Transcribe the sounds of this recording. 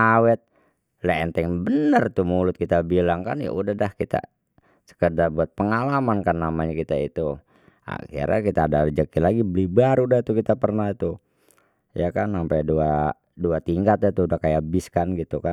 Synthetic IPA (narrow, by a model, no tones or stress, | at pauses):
awɛt̪̚ | lɛɛnt̪ɛŋbənərt̪umulʊt̪̚kit̪abilaŋkanja̰ʔudahdahkit̪a̰ | sə̥kədarbuat̪̚pəŋalamankanːamaɲakit̪ait̪u | a̰kia̰ɾa̰kit̪aːdad͡ʒakilaɡibəlibaɾudaht̪ukit̪apərnat̪u | jakansampajdua | duat̪iŋkat̪̚jat̪uudahkajabiskanɡit̪ukan